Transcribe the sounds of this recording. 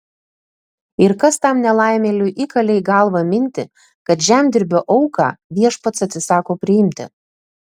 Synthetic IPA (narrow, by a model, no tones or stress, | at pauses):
ɪɾkɐst̪ɑmnʲɛlˠɑˑɪmʲeːlʲʊʔikɐlʲɛɪɡɐlˠʋɐmʲɪnʲt̪ʲɪ | kɐt̪ʒʲæmʲd̪ʲɪɾʲbʲoːʔɔʊkɑ̰ːʋʲiɛʃpɐt̪sɐt̪ʲsʲɪsɑːkoːpʲɾʲɪɪmʲt̪ʲɪ̰